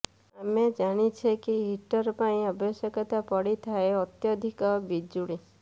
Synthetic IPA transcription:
amed͡ʒaɽ̃it͡ʃʰekiɦiʈɔɾɔpaĩabɔsjɔkɔt̪apɔɽit̪ʰaeɔt̪jɔd̪ʱikɔbid͡ʒuɽi

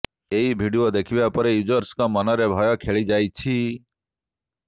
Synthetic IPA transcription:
eibʱiɖiod̪ekʰibapɔɾejud͡ʒɔɾskɔmɔnɔɾebʱɔjɔkʰeɭid͡ʒajt͡ʃʰi

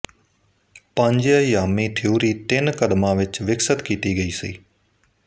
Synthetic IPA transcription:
pə̃ːɲd͡ʒjaːjaːmiːt̪ʰɪuːɾiːt̪ɪnkəd̪mãːʋɪt͡ʃʋɪksət̪kiːt̪iːɡəiːsḭː

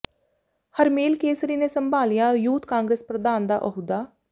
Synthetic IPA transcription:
həɾmeːlkeːsɾiːneːsəmbʱaːlɪjaːjuːt̪kãːŋɡɾeːspɾəd̪aːnd̪a̰ːʔəɦud̪aː

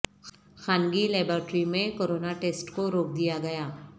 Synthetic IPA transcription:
xaːnɡilɛːbɾəːʈɾimẽkoɾoːnaʈeːsʈkoɾoːk̚d̪ijaɡɐjaː

